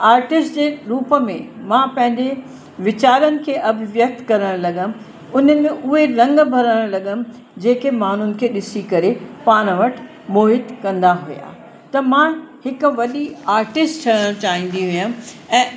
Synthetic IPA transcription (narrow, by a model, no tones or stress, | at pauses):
aːɾʈɪsʈd͡ʑeːɾuːpəmḛ̃mãpɐ̃ɦɪ̃ɲd͡ʑe | ʋɪt͡ɕaːɾənɪ̆kʰeːʔɐbʱɪʋjɐk̚t̪kɐɾəɽ̃lɐɠən̆ | ʊn̤əmẽʔʊɦeɾɐ̃ŋɡbʱɐɾəɽ̃lɐɠənɪ̆ | d͡ʑeːkemaːn̤ʊnɪ̆kʰeːɗɪsikɐɾepaːɽ̃ʋɐʈʰ | moːɦɪt̪kɐ̃nd̪aɦuja̰ː | t̪ɐmãhɪkʊʋɐɗiaːɾʈɪsʈt͡ɕʰɐɽəɽ̃t͡ɕaːɦĩːn̆d̪iɦujə̃ɛ̃ː